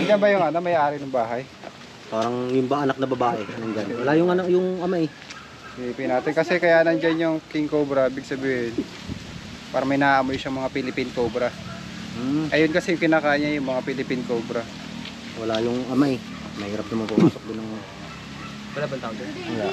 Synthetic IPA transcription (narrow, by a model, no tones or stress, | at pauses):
ɐd͡ʒanbɐjʊŋɐnomɐjʔaːɾɪnʊŋbaːɦɐj | paːɾɐŋjʊnbɐʔɐnak̚nɐbɐbaːʔɛnɐnd͡ʒanwɐlajʊŋɐnajʊŋʔɐmaʔɛ | pɪlɪpinaːt̪ɪnkɐsɛkɐjaʔnɐnd͡ʒanjʊŋkɪŋkoːbɾɐibɪɡ̚sɐbiːhɪn | paːɾɐmɐjnaːʔɐmojʃaŋmɐŋapɪlɪpinkoːbɾɐ | ʔɐjonkɐsɛjʊŋkɪnaːkaːʔɪɲːajʊŋmɐŋapɪlɪpinkoːbɾɐ | wɐlajʊŋʔɐmaʔ | mɐhiːɾap̚nɐmaŋpɐʔuːsok̚d̪onːɐŋ | bɐlabɐnt̪aːʔod͡ʒɐnɐla